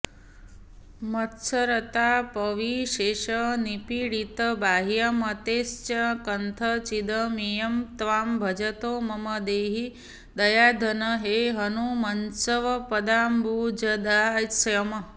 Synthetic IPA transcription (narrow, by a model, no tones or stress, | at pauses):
mɐt̪sɐɾɐt̪aːpɐʋiʃeːʃɐnipiːɽit̪ɐbaːɦijɐmɐt̪eːst͡ʃɐkɐnt̪ʰɐt͡ʃid̪ɐmijɐmt̪ʋaːmbʱɐd͡ʒɐt̪oːmɐmɐd̪eːɦi | d̪ɐjaːd̪ʱɐnɐɦeːɦɐnumɐnsɐʋɐpɐd̪aːmbʱuːd͡ʒɐd̪aːsjɐmɐ